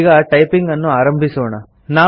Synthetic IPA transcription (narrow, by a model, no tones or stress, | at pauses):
ɡɐʈɐjpiŋɡɐnːuaːɾɐmbʱisɔːɳɐ | naː